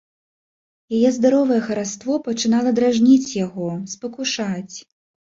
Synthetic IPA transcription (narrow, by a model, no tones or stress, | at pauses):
jajɛzd̪aɾɔvɐjɛxɐɾast̪vɔpɐt͡ʂɨnalˠɐd̪ɾaʐnʲit͡sʲjaɣɔspɐkuʂat͡sʲ